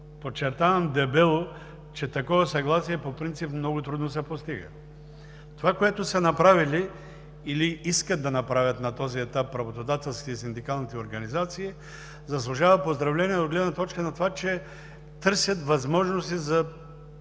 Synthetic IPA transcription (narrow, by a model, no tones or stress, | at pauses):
pot͡ʃːɛɾt̪avɐmd̪ɛbɛlˠo | t͡ʃɛt̪ɐkɔvɐsɐɡlˠasiɛpopɾint̪sipmnɔɡʊt̪ɾud̪nosɛpost̪iɡə̰ | t̪ovakoɛt̪ʊsɐnɐpɾavili | iliiskɐt̪ːɐnɐpɾavʲjɐt̪nɐt̪ɔziɛt̪apːɾɐvot̪od̪at̪ɛlˠskʲit̪ɛisind̪ikalˠnit̪ɛoɾɡɐnizat̪siː | zɐslˠuʒavɐpozd̪ɾɐvlɛniɛod̪ɡlɛd̪nɐt̪ɔt͡ʃkənɐt̪ovat͡ʃɛ | t̪ɤɾsʲjɐt̪vɐzmɔʒnost̪izɐ